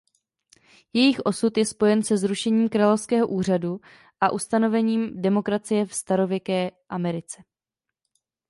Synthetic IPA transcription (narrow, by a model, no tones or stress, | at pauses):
jɛjɪxʔo̞sut̪jɛspo̞jɛnsɛzɾuʃɛɲiːmkɾaːlo̞fskɛːɦo̞ʔuːr̝adu | ʔaʔust̪ano̞vɛɲiːmdɛmo̞kɾat͡sɪjɛfst̪aɾo̞vjɛkɛːʔamɛɾɪt͡sɛ